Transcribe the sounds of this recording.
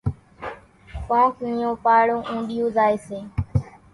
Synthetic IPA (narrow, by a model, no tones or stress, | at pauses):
kõːknɪijõːpaːɽõːʔũːɗɪjõːzaːeːseː